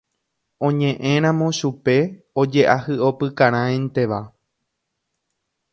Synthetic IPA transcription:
õ̞ɲẽ̞ʔẽɾ̃ãmõʃupe̞ | od͡ʒe̞ʔahɨo̞pɨkãɾ̃ãẽnt̪e̞ʋa

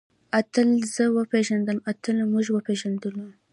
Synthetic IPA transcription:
at̪əlz̥əwəpeʒand̪əlmat̪əlmuʒwəpeʒand̪əlu

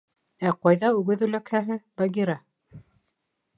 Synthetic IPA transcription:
æqɑjðɑʉɡɘðʉlækhæɦɘbaɡʲiɾɑ

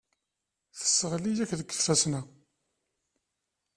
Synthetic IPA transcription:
θə̥sːəʁlijækðəkːθθæsnæ

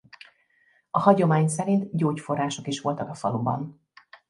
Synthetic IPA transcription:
ɒhɒɟo̞maːɲsɛɾint̪ɟoːcfo̞rːaːʃo̞kiʃʋo̞lt̪ɒkɒfɒlubɒ̰n

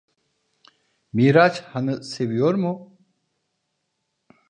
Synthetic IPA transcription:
miːɾat͡ʃhanɯsevijoɾmu

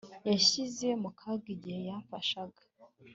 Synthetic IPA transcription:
jaʃize̞mukʰaɡiɟihe̞jafaʃaɡḁ

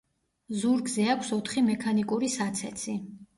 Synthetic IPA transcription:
zuɾɡzɛakʷʰsɔt̪ʰχimɛkʰanikʼuɾisat̪sʰɛt̪sʰi

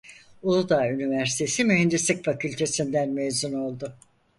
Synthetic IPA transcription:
ulˠd̪aynivæɾsi̥t̪ʰe̞simyɦɛnd̪islʲicfacʰylʲt̪ʰe̞sind̪ænmejzuno̞lˠd̪ʊ

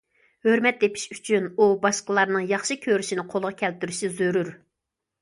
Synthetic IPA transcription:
høɾmɛt̪̚d̪epʰi̥ʃyt͡ʃʰynubɑʃqəlˠɑɾnɨŋjɑχʃɨkʲʰøɾyʃinɪqʰolˠʁɑkʲʰɛlt̪yɾyʃɪzøɾyɾ

